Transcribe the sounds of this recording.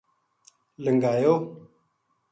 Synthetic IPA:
ləŋɡaːjoː

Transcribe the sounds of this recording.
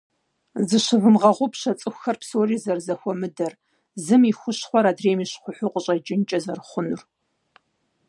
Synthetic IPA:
zɨɕɨvɨmʁɐʁʷʊpɕɐt͡sʼɨxʷxɐrpsoːriːzɐrzɐxʷɔmɨdɐr | zɨmixʷʊɕχʷɔɾaːdreːmiːɕχʷʊħʷʊqʷʼəɕʼɐd͡ʒɪnt͡ʃʼɐzɐrχʷʊnʊr

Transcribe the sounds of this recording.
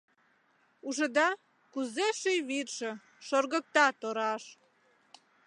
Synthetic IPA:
uʒə̆d̪ɑ | kuzeʃijβirʒə̆ | ʃorɣək̚t̪ɑt̪oɾɑʃ

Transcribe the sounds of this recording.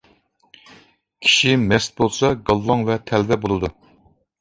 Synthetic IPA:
kʲʰi̥ʃimɛst̪̚bolˠsɑɡɑlˠːɑŋvɛt̪ʰɛlvɛbolˠɨd̪u

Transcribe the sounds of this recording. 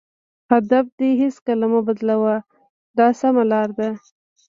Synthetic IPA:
had̪afd̪eɦɪskalamabad̪lawa | d̪ɑsamalɑɾd̪a

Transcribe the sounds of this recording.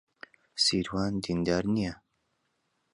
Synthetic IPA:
siːɾwaːnd̪ind̪aːɾnijɛ

